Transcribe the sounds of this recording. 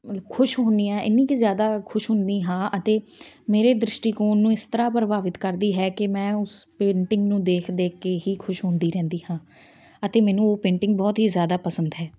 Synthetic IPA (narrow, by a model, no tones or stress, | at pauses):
kʰʊʃɦõːnd̪iːãːʔɪ̰nːĩːkizjaːd̪aːkʰʊʃɦʊnd̪iːɦãːʔət̪eː | meːɾeːd̪ɾɪʃʈiːkoːnːũːɪst̪əɾaːpəɾbaːʋɪt̪kəɾd̪iːɦɛːkɪmɛ̃ːʊspẽːɳʈɪ̃ŋɡnũːd̪eːkʰd̪eːkeːɦiːkʰʊʃɦʊ̃nd̪iːɾɛ̃ːnd̪iːhãː | ət̪eːmɛːnũːoːpẽːɳʈɪŋɡ̚bɔːt̪ɦiːzjaːd̪aːpəsə̃nd̪ɦɛː